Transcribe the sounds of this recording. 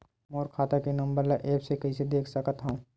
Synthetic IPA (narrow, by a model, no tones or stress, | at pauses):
moːɾkʰaːt̪akenɐ̃mbəɾlaʔeːpsekɐised̪eːkʰsɐkət̪ɦãũː